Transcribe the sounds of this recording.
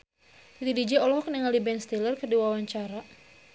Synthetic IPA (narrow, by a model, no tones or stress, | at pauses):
t̪it̪idid͡ʒɛɔlɔɦɔk̚niŋaldibɛnst̪elərkərdiwawaɲt͡ʃaɾa